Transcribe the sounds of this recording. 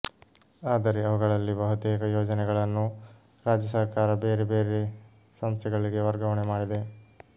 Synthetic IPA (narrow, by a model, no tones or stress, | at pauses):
aːd̪ɐɾeɐʋuɡɐɭɐlːibɐɦut̪ɛːɡɐjoːd͡ʒɐnɛɡɐɭɐnːu | ɾaːd͡ʒjɐsɐɾkaːɾɐbeːɾebeːɾe | sɐmst̪ʰɛɡɐɭiɡe̞ʋɐɾɡɐʋɐɳemaːɽid̪e̞